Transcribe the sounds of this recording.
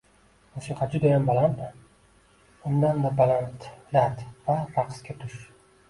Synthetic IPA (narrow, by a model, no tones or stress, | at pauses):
mʊsiqad͡ʒʊd̪ajambalant̪ | ʊnd̪and̪abalant̪lat̪vaɾaqskʲat̪ʰʊʃ